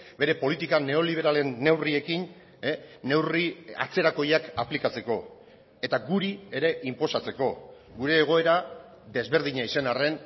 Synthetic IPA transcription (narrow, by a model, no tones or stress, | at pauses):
be̞ɾe̞po̞lit̪ikane̞o̞liβ̞e̞ɾale̞nːe̞wrie̞kinː | e̞wria̰t͡se̞ɾako̞jakaplikat͡se̞ko̞ | e̞t̪aɡuɾie̞ɾe̞ʔimpo̞sat͡se̞ko̞ | ɡuɾe̞ːɣ̞o̞e̞ɾa | d̪e̞zβe̞ɾðiɲaise̞nare̞n